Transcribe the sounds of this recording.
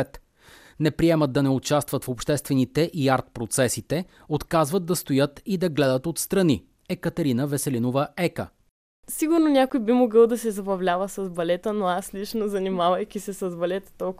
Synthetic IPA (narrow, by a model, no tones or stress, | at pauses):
ɛt̪ | nɛpɾiɛmət̪̚d̪ɐnɛʊt͡ʃast̪vət̪fopʃt̪ɛst̪vɛnit̪ɛʔiaɾt̪̚pɾot̪sɛsit̪ɛ | ot̪kazvəd̪̚d̪ɐst̪ojɤt̪id̪ɐɡlɛd̪ət̪ot̪st̪ɾɐni | ɛkət̪ɐɾinəvɛsɛlinovəɛkə̰ | siɡʊɾnonʲakojbimoɡəlˠd̪ɐsɛzɐbɐvlʲavəsɐzbɐlɛt̪ənoaslit͡ʃnozɐnimavɐjkʲisɛsɐzbɐlɛt̪ə̥t̪ɔlˠk